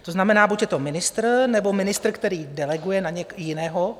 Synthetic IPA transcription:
t̪o̞znamɛnaːbucjɛt̪o̞mɪnɪst̪rnɛbo̞mɪnɪst̪r̩kt̪ɛɾiːdɛlɛɡujɛnaɲɛkjɪnɛːɦo

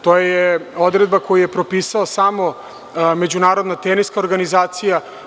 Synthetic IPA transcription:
t̪ojajeod̪ɾed̪̚bako̞jije̞pɾo̞piːsaosamo̞ | med͡ʑunaːɾo̞d̪nat̪eniskaoɾɡanizaːt̪sija

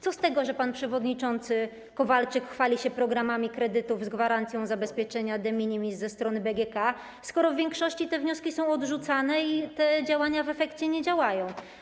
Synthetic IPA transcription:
t̪sɔst̪ɛɡɔʐɛpanpʂɛvɔd̪ɲit͡ʂɔnt̪sɘ | kɔvalt͡ʂɘkxfalʲiɕɛpɾɔɡɾamamʲikɾɛd̪ɘt̪uvzɡvaɾant̪sʲjɔ̃w̃zabɛspʲjɛt͡ʂɛɲad̪ɛmʲiɲʲimʲizzɛst̪ɾɔnɘbɛɡʲɛka | skɔɾɔvvʲjɛŋkʂɔɕt͡ɕit̪ɛvɲɔskʲisɔ̃w̃ɔd̪ʐut̪sanɛit̪ɛd͡ʑawaɲavɛfɛkt͡ɕɛɲɛd͡ʑawajɔ̃w̃

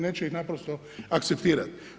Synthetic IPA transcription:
net͡ʃɛixnapɾost̪o | akt̪sept̪iːɾat̪

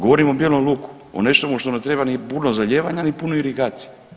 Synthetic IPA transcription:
ɡoʋoɾimobjelomlˠuku̥ | o̰ne̞ʃt̪omuʃt̪onet̪ɾebanipunozaʎeːʋaɲanipunoiɾiɡaːt̪si̥je

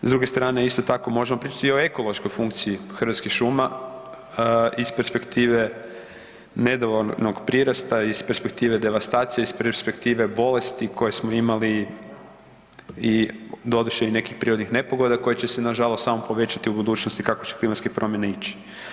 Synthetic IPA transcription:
zd̪ɾuɡe̞st̪ɾaːne̞ist̪o̞t̪ako̞mo̞ʒemo̞pɾiːt͡ʃḁt̪io̞e̞ko̞lˠo̞ʃko̞jfuŋkt̪siixr̩ʋat̪skixʃuma | ispe̞ɾspe̞kt̪iːʋe̞ | ne̞d̪oʋolnoɡpɾiɾast̪aispeɾspe̞k̚t̪iːʋe̞d̪e̞ʋast̪aːt̪sijeispespe̞kt̪iːʋe̞bo̞le̞st̪ikʰo̞jesmoimali | id̪o̞d̪uʃeine̞kixpɾiɾod̪nixne̞po̞ɡo̞d̪ako̞jet͡ɕesenaʒalˠost̪samopo̞ʋe̞t͡ɕat̪iubud̪uːt͡ɕnost̪ikakot͡ɕe̥klimat̪skepɾo̞mjeneit͡ɕi̥

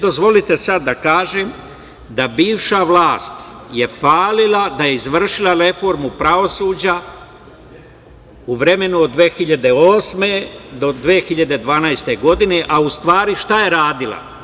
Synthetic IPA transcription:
d̪o̞zʋo̞lit̪e̞sad̪ːakaːʒem | d̪abiːʋʃaʋlˠaːst̪je̞faːlilˠad̪aje̞izʋr̩ʃilaɾe̞fo̞ɾmupɾaʋo̞suːd͡ʑa | uʋɾe̞me̞nuod̪ːʋeːxiʎad̪e̞oːsmed̪o̞d̪ʋeːxiʎad̪e̞d̪ʋaːnajst̪e̞ɡo̞d̪ine̞ʔaust̪ʋaːɾiʃt̪aje̞ɾaːd̪ilˠa̰

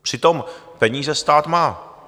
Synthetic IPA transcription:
pr̥ɪt̪o̞mpɛɲiːzɛst̪aːt̪maː

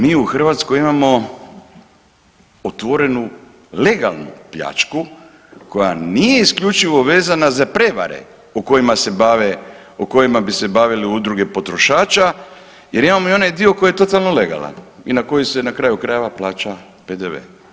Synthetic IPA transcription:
miːuxr̩ʋat̪skojimamo̞ | ot̪ʋo̞ɾe̞nu | le̞ɡalˠnṵpʎa̰t͡ʃku | ko̞ja̰nije̞iskʎʲut͡ʃiʋo̞ʋe̞ːzanazapɾeʋa̰ɾe̞̰ | oko̞jimase̞baːʋe | oko̞jimabise̞baʋiliud̪ɾuɡe̞po̞t̪ɾo̞ʃaːt͡ʃa | je̞ɾimamoio̞najd̪io̞ko̞jijet̪o̞t̪alno̞le̞ɡa̰la̰ninako̞jise̞nakɾaːjukɾaje̞ʋaplaːt͡ʃa | ped̪eʋḛ

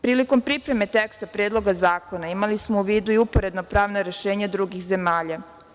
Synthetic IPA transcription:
pɾiːliko̞mpɾipɾe̞me̞t̪ekst̪apɾjeːd̪lˠo̞ɡazaːko̞naimalismo̞uʋiːd̪uiupo̞ɾe̞d̪nopɾaːʋnoɾe̞ʃe̞ːɲad̪ɾuɡixze̞maːʎa

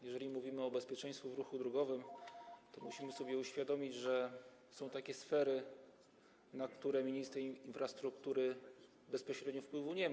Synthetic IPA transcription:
jɛʐɛlʲimuvʲimɘɔbɛspʲjɛt͡ʂɛ̃j̃st̪fuvɾuxud̪ɾɔɡɔvɘmt̪ɔmṵɕimɘsɔbʲjɛuɕfʲjad̪ɔmʲid͡ʑʐɛ | sɔ̃w̃t̪akʲɛsfɛɾɘ | nakt̪uɾɛmʲiɲist̪ɾɛinfɾast̪ɾukt̪uɾɘ | bɛspɔɕɾɛd̪ɲɔfpwɘvuɲɛma

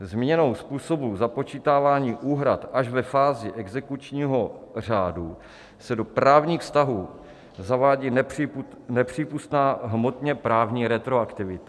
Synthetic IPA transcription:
zmɪɲɛno̞wspuːso̞buzapo̞t͡ʃiːt̪aːvaːɲiːʔuːɦɾat̪ʔaʒvɛfaːzɪʔɛɡzɛkut͡ʃɲiːɦo̞r̝aːdu | sɛdo̞pɾaːvɲiːxfst̪aɦuː | zavaːɟini | nɛpr̝̥iːpust̪naːɦmot̪ɲɛpɾaːvɲiːɾɛt̪ɾo̞akt̪ɪvɪt̪ḁ

